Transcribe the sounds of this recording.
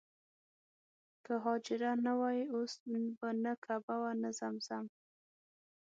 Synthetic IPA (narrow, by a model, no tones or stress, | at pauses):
kaɦɑd͡ʒɪɾanawɑjiosbanakʰabawanazamz̥am